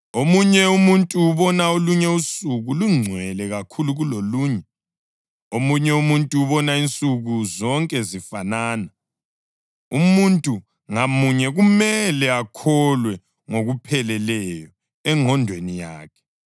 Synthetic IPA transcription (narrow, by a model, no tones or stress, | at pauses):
omuɲɛumuntʼuːβɔnaoluɲɛusuɣuluŋ͡ǀʱwɛlɛɣakʰuluɣuloluːɲɛ | omuɲɛumuntʼuuβɔnaint͡sʼuɣuzɔŋkʼɛzifanaːna | umuntʼu | ŋamuɲɛɣumɛlɛakʰɔlwɛ | ŋoɣupʰɛlɛlɛjɔ | ɛŋʱɔndʱwenija̰ːkʰɛ̥